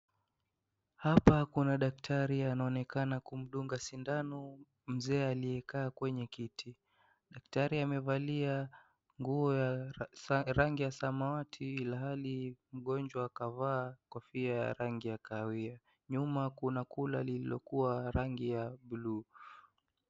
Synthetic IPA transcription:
hapakunaɗak̚tʰaɾianaɔnɛkanakum̩ɗuŋɡasindanɔ | m̩zɛːalijɛkaːkwɛɲɛkitʰi | ɗaktaɾiamɛvalia | ŋɡuɔja | ɾaŋɡijasamawatʰiilaɦalim̩ɠɔnd͡ʒwaːkavaːkɔfiaja̰ɾaŋɡijakawia | ɲumakunakulalililɔkuaɾaŋɡijaɓulu

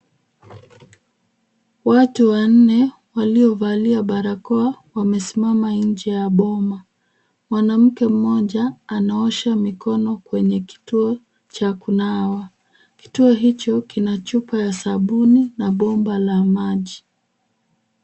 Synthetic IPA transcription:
watuwan̩nɛ | waliɔvaliaɓaɾakɔawamɛsimamaɲ̩d͡ʒɛjaɓɔma | mwanam̩kɛm̩mɔʄaːnaɔʃamikɔnɔkwɛɲɛki̥tuɔ | t͡ʃakunawa | ki̥tuɔɦit͡ʃɔkinat͡ʃupajasaɓuninaɓɔmbalamaʄi

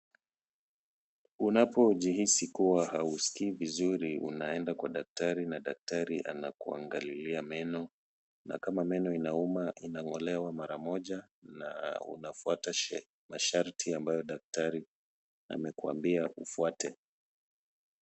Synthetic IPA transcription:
unapɔʄihisikuwahausi̥kiːvizuɾiʔṵnaɛndakwaɗak̚taɾinaɗak̚taɾiʔa̰na̰kua̰ŋɡaliliamɛnɔ | na̰kamamɛnɔinaumaʔinaŋɔlɛwamaɾamɔʄa | na̰ṵnafuata | maʃaɾtʰiambajɔɗak̚taɾi | a̰mɛkua̰mbiaʔufuatɛ

